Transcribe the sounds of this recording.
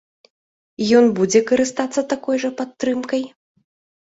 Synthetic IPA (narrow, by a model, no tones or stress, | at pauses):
jɔnbud͡zʲɛkɐɾɨst̪at̪sːɐt̪akɔjʐɐpat̪ːɾɨmkɐj